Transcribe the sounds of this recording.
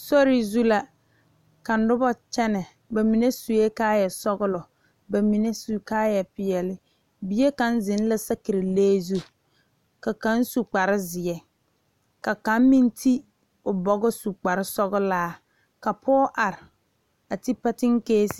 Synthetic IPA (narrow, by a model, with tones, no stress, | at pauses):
sɔ˦ɾɪ˨zu˦la˨ | ka˨n̩˨˦dʊ˦bɔ˦t͡ʃɛ˦nɛ˨ | ba˨mi˨ne˦su˨e˦kaː˦jɛ˨sɔ˦ɣʊ˦lɔ˨ | ba˨mi˨ne˦su˨kaː˦jɛ˨pɪ˨ɛ˨lɪ˦ | bi˨je˦ka˨˦nzɪ˨˦n˦la˦sa˦ki˨ɾɪ˨leː˦zu˦ | ka˨ka˦n˦su˨k͡pa˨ɾɪ˦zɪ˨ɛ˨ | ka˨ka˨˦mmi˦n˦tʰi˦ | ʊ˨bɔ˨ɡʊ˦su˨k͡pa˨ɾɪ˦sɔ˦ɣʊ˦laː˦ | ka˨pʰɔː˦ʔa˨ɾɪ˨ | a˨ti˦pɛ˦tɪ˦ŋkeː˦s